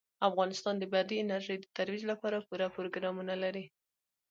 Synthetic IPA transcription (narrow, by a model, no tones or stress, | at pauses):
afɣɑnɪst̪ɑnd̪əbad̪iɪnaɾʒəjd̪ət̪aɾwid͡ʒlapɑɾapuɾapʊɾoɡɾɑmunalaɾi